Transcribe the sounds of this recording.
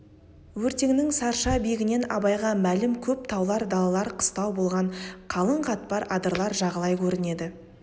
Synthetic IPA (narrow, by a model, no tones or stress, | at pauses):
wɵɾt̪e̞ŋnɪŋsɑɾʃɑbeɡʲɪne̞nɑ̰bɑjʁɑmælɪmkʲʰɵp̚t̪ʰɑwlˠɑɾd̪ɑlˠɑlˠɑɾqʰə̥st̪ɑwbo̞lˠʁɑɴqʰɑlˠəɴqʰɑt̪̚pɑɾɑd̪əɾlˠɑɾʒɑʁəlˠɑjkʲʰɵɾɪne̞d̪ɪ